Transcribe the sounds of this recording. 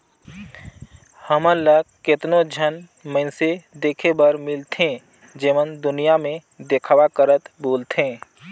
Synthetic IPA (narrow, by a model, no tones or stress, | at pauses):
həmələɡkɪt̪nod͡ʒʱən | mə̃ɪnsed̪eːkʰebəɾmɪlt̪ẽ | d͡ʒeːmənd̪ʊnijamẽ | d̪ekʰwakəɾət̪boːlt̪ʰẽː